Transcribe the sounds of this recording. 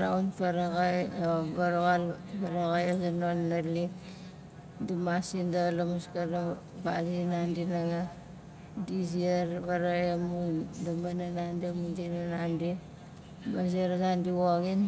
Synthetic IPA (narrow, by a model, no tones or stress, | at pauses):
ɾaunfaɾaɣajobaɾoɣalpaɾaɣajazanonːalik | dimasindalamuskada | bazinandinaŋa | diziaɾβaɾajamundamananandimundinanandi | mazeɾazandiwoɡin